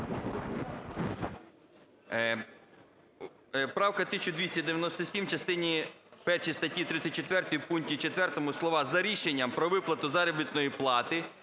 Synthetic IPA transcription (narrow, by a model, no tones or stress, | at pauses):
pɾɑwkɐt̪ɪsʲt͡ʃʊd̪ʲʋʲisʲɐd̪eʋjɐnɔst̪ɔsʲimwt͡ʃɐst̪ɪnʲipɛrʃijst̪ɐtʲːit̪ɾɪt̪ʲːɐt̚ʲt͡ʃet̪ʋɛrt̪ɔjwpuŋktʲit͡ʃet̪ʋɛrt̪ɔmʊslˠɔʋɑzɐɾʲiʃenʲːɐmpɾɔʋɪplˠɐt̪ʊzɑɾɔbʲit̪nɔjiplˠɑt̪ɪ